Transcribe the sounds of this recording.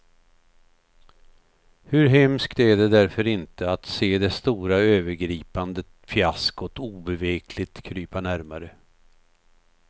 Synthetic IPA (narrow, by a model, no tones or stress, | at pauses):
hɵɾɦɛmskt̪æɖɛd̪æɾfœɾɪnt̪əat̪seːd̪ɛst̪uːɾaøːvəɾɡɾiːpand̪ə | fjaskɔt̪uːbɛveːkʰlɪt̪kʰɾyːpanæɾmaɾə